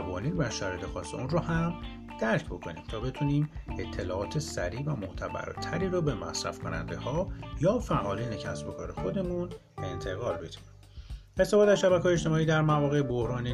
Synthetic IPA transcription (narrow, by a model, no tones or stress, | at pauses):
vɒːniːnvæʃæɾɒjd̪ʰexɒːsːeunrɔhæm | d̪̥æɾcʰbo̞kʰo̞niːmt̪ʰɒːbe̞t̪ʰuniːme̞t̪ʰːe̞lɒːʔɒːt̪ʰe̞sæ̰ɾiːvæmoht̪ʰæbæ̰ɾt̪ʰæɾiːɾobe̞mæ̰sɾæ̰fkʰo̞næ̰nd̪e̞hɒːjɒːfæʔɒːliːnecʰæ̰sbo̞kʰɒːɾe̞xo̞d̪e̞mun | e̞nt̪ʰe̞ɣɒːlbe̞d̪̥i | est̪ʰefɒːd̪æzʃæbækʰɒːjet͡ʃt̪e̞mɒːiːd̪æɾmævɒːɣe̞bo̞hɾɒːniː